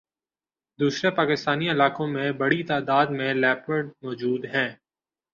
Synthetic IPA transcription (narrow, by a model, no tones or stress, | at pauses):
d̪uːsɾepaːkɪst̪aːniɪlaːkõmẽbɐɽit̪aːd̪aːd̪mẽlɛːpəɖmɔːd͡ʒuːd̪ɦɛ̃ː